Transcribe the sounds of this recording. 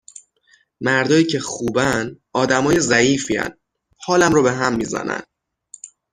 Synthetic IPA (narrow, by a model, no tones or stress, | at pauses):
mæɾd̪ɒːjiːcʰe̞xuːbænd̪ | ɒːd̪æmɒːje̞zæiːfiːæ̰nd̪ | hɒːlæmɾɔːbe̞ɦæmːiːzæ̰næ̰nd̪̥